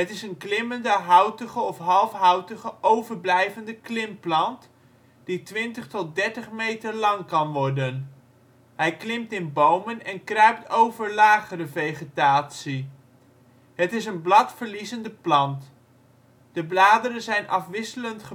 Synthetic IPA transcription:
ɦətɪsənklɪməndəɦʌwtəχəɔfɦɑlˠfɦɑwtəχəʔowvəɹblɛjvəndəklɪmplɑnt | d̥itʋɪntəχtɔt̚dɛɹtəχmejtəɹlɑŋkɑnʋɔɹdən | ɦɛjklɪmtɪnbowmənɛnkrœɥp̚towvəɹlaːχərəvejχətaːtsi | ɦətɪsənblɑtfəɹlizəndəplɑnt | d̥əblaːdəɾənzɛjnɑfʋɪsələntχə

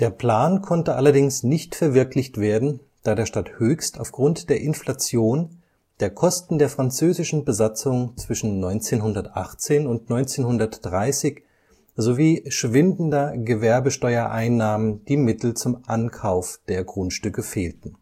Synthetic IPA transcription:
d̥eːɐpl̥aːnkʰɔntəʔalɐdɪŋsnɪçtfɛɐvɪɐklɪçtv̥eːɐdn̩ | d̥aːdeːɐʃtathøːçstaʊfɡ̥ʁʊntd̥eːɐʔɪnflat͡sjoːn | d̥eːɐkʰɔstn̩deːɐfʁ̥ant͡søːzɪʃn̩bəzat͡sʊŋt͡sv̥ɪʃn̩nɔʏnt͡seːnɦʊndɐtʔa̰χt͡seːnʊntnɔʏnt͡seːnhʊndɐtd̥ʁaɪsɪç | zoviːʃv̥ɪndn̩dɐɡəvɛɐbəʃtɔʏɐʔaɪnːaːmənd̥iːmɪtl̩t͡sʊmʔankʰaʊfd̥eːɐɡʁʊntʃtʏkəfeːltn̩

